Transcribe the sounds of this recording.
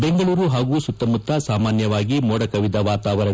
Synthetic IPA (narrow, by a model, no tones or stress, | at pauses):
be̞ŋɡɐɭuːɾuɦaːɡuːsut̪ːɐmut̪ːɐsaːmaːnjɐʋaːɡimoːɽɐkɐʋid̪ɐʋaːt̪aːʋɐɾɐ